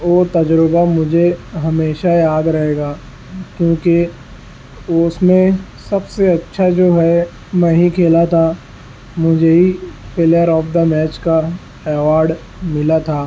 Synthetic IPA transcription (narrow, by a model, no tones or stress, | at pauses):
oːt̪ɐd͡ʒɾəbamʊd͡ʒʱeɦɐmeːʃajaːd̪ɾɐɦeːɡaː | kjõːke | ʊsmẽ | sɐbseɐtːʃʰad͡ʒoːɦɛ | mɛ̃ːɦĩkʰeːlat̪ʰa | mʊd͡ʒʱeɦipʰelijəɾɔːpʰd̪əmɛːt͡ʃka | ɛːʋaːɾɖ | mɪlat̪ʰaː